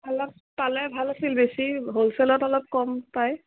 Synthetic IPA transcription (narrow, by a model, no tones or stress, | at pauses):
bʱalɔ | palɛbʱalasilbesiɦolsɛlɔtɔlɔp̚kɔmpaj